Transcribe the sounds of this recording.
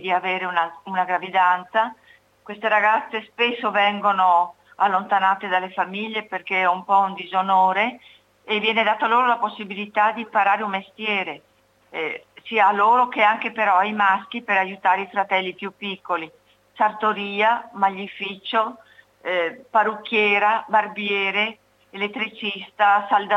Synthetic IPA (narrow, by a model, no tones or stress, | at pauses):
d̪iaveːɾeunaunaɡɾavid̪ant̪sa | kwest̪eɾaɡat̪sːespesːovɛŋɡono | alːont̪anaːt̪ed̪alːefamiʎːeperkeɛumpɔund̪izonoːɾeː | vjɛːned̪aːt̪oaloːɾolaposːibilit̪ad̪impaɾaːɾeummest̪jɛːɾe | siːaloːɾokeaŋkepeɾɔajmask̟ipeɾajut̪aːɾeifɾat̪ɛlːipjupːikːoli | sart̪oɾiːamaʎːifiːt͡ʃo | parukːjɛːɾabarbjɛːɾe | elet̪ːɾit͡ʃist̪asald̪a